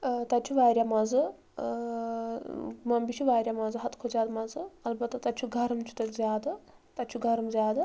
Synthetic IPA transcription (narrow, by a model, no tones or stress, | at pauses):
t̪ɐt̪̚t͡ʃʰuʋaːɾjamazɨ | mɐmbit͡ʃʰuʋaːɾʲjamɐzɨɦɐt̪kʰozʲaːd̪mɐzɨɐlbɐt̪ːɐt̪ɐt̪t͡ʃʰuɡʱɐɾɐmt͡ʃʰu̥t̪ɐzʲaːd̪ɨ | t̪ɐt̪t͡ʃʰuɡʱɐɾɐmzʲjaːd̪ɨ